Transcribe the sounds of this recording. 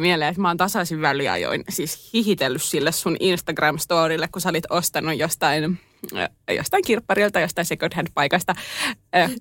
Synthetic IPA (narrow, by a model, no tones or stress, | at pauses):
mieleet̪mɑːnt̪ɑsɑsiʋʋæliɑ̰jo̰insiːshihit̪elːyssilːessuninst̪ɑɡrɑmst̪oːɾilːekkusæolit̪ost̪ɑnːujjost̪ɑin | jo̰st̪ɑiŋkirpːɑrilt̪ɑjost̪ɑinsekot̪hædpɑikɑst̪ɑ